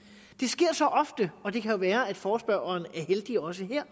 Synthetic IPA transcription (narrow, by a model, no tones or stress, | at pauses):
d̥e̝sɡ̥e̝ɐ̰sɒ̽ʔɒ̽fd̥əɒ̽d̥e̝kʰæjo̝ʋæːɐæd̥fɒːsb̥ɶɐ̰ɐːnæɐɦeld̥iɒ̽s̬əɦeɐ̰